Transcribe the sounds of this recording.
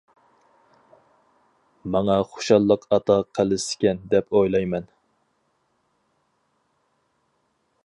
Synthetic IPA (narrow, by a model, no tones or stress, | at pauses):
mɑŋɑχo̥ʃɑlˠːəqʰɑt̪ɑqʰəlɪsɪ̥kʲɛnd̪ɛpʰojlˠɑjmɛn